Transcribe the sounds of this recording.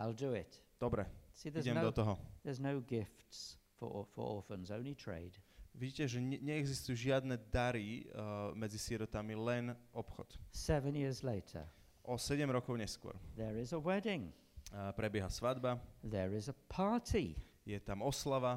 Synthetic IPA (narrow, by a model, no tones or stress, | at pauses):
aɪlˠdəɪtd̪̥ɔbɾɛsiðəɛmd̪ɔt̪ɔɦɔðəznoʊɡɪftsfə̰fə̰˞ɔ̰ˑfə̃nzõʊ̃nlitʰɹ̥ḛɪd̥ʋiɟiːcɛʒɛɲɛɛɡzist̪ujuʒɪad̪nɛd̪aɾimɛd͡zisɪɛɾɔt̪amilɛnʔɔpxɔ̰t̪sɛvə̃njɪəzleɪtʰə̰ | ʔɔsɛɟɛmɾɔkɔʊɲɛskʊɔ̰ɾðəɹɪzəwɛdɪ̃ŋ | pɾɛbjɛɦasʋad̪baðəɹɪzəpʰɑɹtʰi | jɛt̪amɔslaʋa